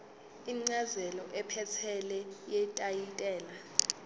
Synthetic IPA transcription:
iŋ͡ǀazɛlɔʔɛpʰɛt͡sʰɛlɛjɛtʼajitʼɛːla

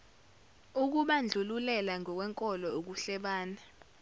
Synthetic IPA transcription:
uk̬uɓand͡ɮʱululɛlaŋɔk̬wɛŋkʼɔlɔok̬uɬɛɓaːna

